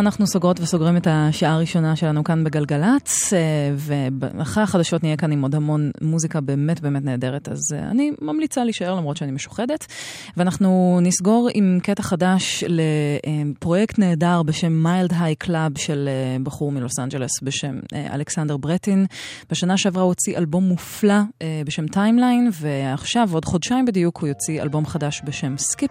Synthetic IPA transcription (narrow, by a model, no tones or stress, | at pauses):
anaχnusoɡʁo̞tveso̞ɡʁimetaʃaʔaːʁiʃo̞naʃelanukanbeɡalɡalat | veb̰aχaχadaʃo̞tnijekanimo̞dhamo̞nmuzikabe̞ːme̞tbe̞emetne̞ːde̞ʁeta̰za̰nimamlit͡saliiʃaeʁlamʁo̞tʃeanimeʃu̥χedet | veanaχnunisɡo̞ʁimketaχadaʃleepʁo̞jektne̞ːdaʁbeʃe̞mːajldɦajkʰlabʃelebaχuʁmilo̞sand͡ʒelesbeʃe̞m̰a̰leksandeʁbʁetin | b̥eʃanaʃeavʁaot͡siʔalbo̞mːuflaebeʃe̞mtajmlajnveaχʃavo̞dχo̞dʃaimbed̪ijukhujot͡sia̰lbo̞mχadaʃbeʃemskip